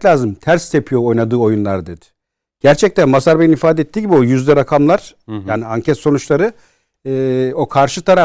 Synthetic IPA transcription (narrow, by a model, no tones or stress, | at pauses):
lʲaːzɯmt̪ʰæɾst̪ʰe̞pʰijo̞ojnad̪ɯːo̞junlˠaɾd̪e̞d̪ɪ̥ | ɟ̥æɾt͡ʃʰɛc̚t̪ænmasaɾbejinifaːd̪ɛet̪ʰːiːɟibio̞jyzd̪ʲɛɾakʰamlˠaɾ̥jaːniaɲcʰɛt̪so̞nut͡ʃlˠaɾɯː | o̞kʰaɾʃɯt̪ʰaɾa